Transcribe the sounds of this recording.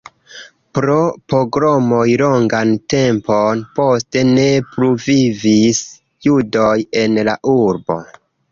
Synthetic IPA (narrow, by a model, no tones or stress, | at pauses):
pɾo̞poɡɾomojlo̞ŋɡante̞mponpo̞ste̞ne̞pɾuvivis | judo̞je̞nlaʔuɾbo̞̰